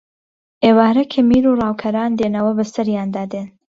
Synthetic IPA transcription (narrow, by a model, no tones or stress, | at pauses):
ʔeːwaːɾɐkʰɐmiːɾurɑːwkʰɐɾaːnd̪eːnɐwɐbɐsɐɾjaːnd̪aːd̪eːn